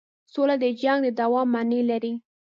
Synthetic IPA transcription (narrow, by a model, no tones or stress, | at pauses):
solad̪əd͡ʒaŋɡd̪əd̪awɑmːanelaɾi